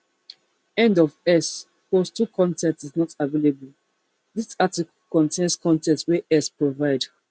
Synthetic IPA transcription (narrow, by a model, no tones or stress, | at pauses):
ɛ̃ndɔvɛs | postukʰɔ̃ntɛ̃ntiznɔtavelebəl | ðisatik | kɔ̃ntʰẽnskɔ̃ntɛ̃ntwɛʔɛspɹovaɪd